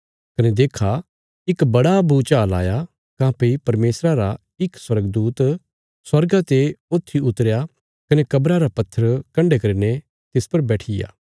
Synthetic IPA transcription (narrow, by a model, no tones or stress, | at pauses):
kɐned̪eːkʰa | ɪkbɐɽabuːt͡ʃaːla̰ːja | kãːpeipɐɾmeːsɾaɾa | ɪkswɐɾəɡd̪uːt̪ | swɐɾɡat̪eoːt̪ʰːiʊt̪əɾja | kɐnekɐbɾaɾapɐt̪ʰːəɾkɐ̃ɳɖekɐɾine | t̪ɪspɐɾbɛːʈʰɪja̰ː